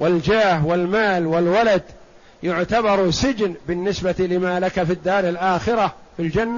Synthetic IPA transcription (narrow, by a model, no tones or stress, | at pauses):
wɪld͡ʒaːhwɪlmaːlwɪlwalad̪ | jʊʕt̪abɑɾˤsɪd͡ʒnbɪnːɪsbat̪lɪmalakafid̪ːaːɾˤɪlʔaːxɪɾafild͡ʒanːa